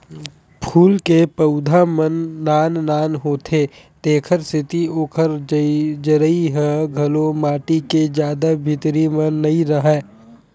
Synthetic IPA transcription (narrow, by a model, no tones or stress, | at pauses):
pʰuːlkepəʊd̪ʱamənːaːnnaːnɦoːt̪ʰeː | t̪eːkʰəɾsɪt̪ioːkʰəɾd͡ʒəɾəiɦɛɡʱɐlõmaːʈiked͡ʒjaːd̪abʱɪt̪ɾimɐnːɐɦĩɾəɦɛː